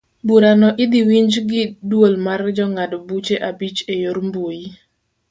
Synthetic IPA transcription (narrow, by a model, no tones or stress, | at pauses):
buɾanɔʔɪd̪iwiɲd͡ʒɡɪdwolmard͡ʒɔŋadɔbut͡ʃeʔabit͡ʃejoɾmbwoji